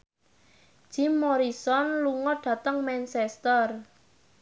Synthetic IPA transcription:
ʒ̥i̤mːoɾisɔnluŋɔɖ̥ä̤t̪əŋmɛnsɛst̪ər

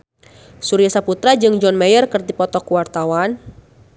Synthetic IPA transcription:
suɾiasaput̪ɾad͡ʒɨŋd͡ʒɔnmɛjərkərd̪ipɔt̪ɔkuwart̪awan

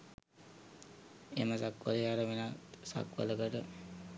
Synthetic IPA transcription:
eməsakʋə̰ləjaɾəʋenat̪sa̰kʋə̰ləkəʈə

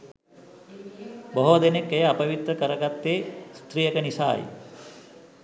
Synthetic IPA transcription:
boɦod̪enekːejɐapɐʋit̪ɾɐkəɾɐɡat̪ːeːst̪ɾijəkənisa̰ːjḭ

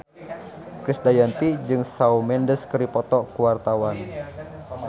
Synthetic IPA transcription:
kɾisdajant̪id͡ʒɨŋsaumɛndəskəɾipɔt̪ɔkuwart̪awan

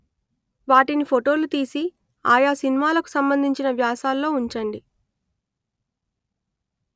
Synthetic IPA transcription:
ʋaːʈinipʰoʈo̞ːlut̪iːsi | a̰ːjaːsinimaːlɐku̥sɐmbɐnd̪ʱiɲt͡ʃinɐʋjaːsaːlːo̞ːuɲt͡ʃɐɳɖi

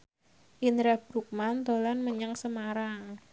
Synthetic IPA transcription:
ʔinɾabɾuk̚mant̪olanməɲəŋsəmaɾaŋ

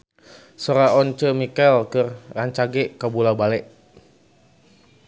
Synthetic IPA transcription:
soɾaɔnt͡ʃəmikalkərːaɲt͡ʃaɡɛʔkabulabalɛʔ

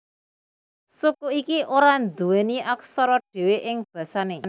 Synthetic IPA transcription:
sukuikiʔoɾand̪uweniʔaksɔɾɔɖ̥e̤weʔɪŋb̥ä̤sanen

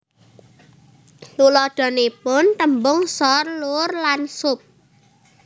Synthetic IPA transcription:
lulɔd̪̥ɔ̤nepʊnt̪əmbʊŋsɔrlʊrlansʊp̚

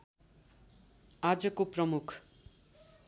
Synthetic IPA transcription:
ad͡zʌkoprʌmukʰ

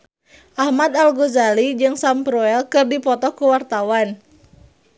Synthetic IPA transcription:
ʔahmad̪alɡuzalid͡ʒɨŋsampɾɔɛlkɨrdipɔt̪ɔkuwart̪awan

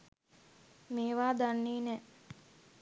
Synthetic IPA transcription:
meːʋaːd̪anːiːnɛ

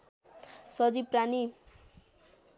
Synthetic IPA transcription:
sʌd͡ziprani

